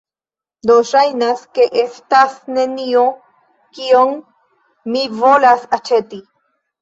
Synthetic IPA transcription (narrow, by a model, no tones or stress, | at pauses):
d̪oʃajnaskeʔestasne̞nio | kioŋ | mivolasat͡ʃeti